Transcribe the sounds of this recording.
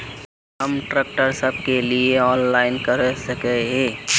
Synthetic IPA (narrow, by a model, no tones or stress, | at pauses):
ɦɐmʈɾeːk̚ʈəɾsɐb̚kelieɔːnlaːɪnkɐɾsɐkeɦẽː